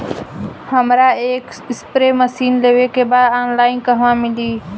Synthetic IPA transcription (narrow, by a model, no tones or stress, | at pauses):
hɐmɾaeːk | ɪspɾeːməsiːnleʋeːkebaaːnlaːɪnkɐɦʋãːmɪ̃nd̪iː